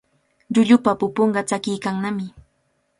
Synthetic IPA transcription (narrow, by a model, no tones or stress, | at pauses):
ʎʊʎʊpapʊpoɴɢɑt͡sakɪjkaŋnamɪ